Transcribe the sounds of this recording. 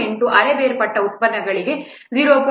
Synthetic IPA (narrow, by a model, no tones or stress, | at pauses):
eɳʈuʔɐɾebeːɾpɐʈːɐut̪̚pɐd̪nɐɡɐɭiɡe̞ | d͡ʒiːɾoːp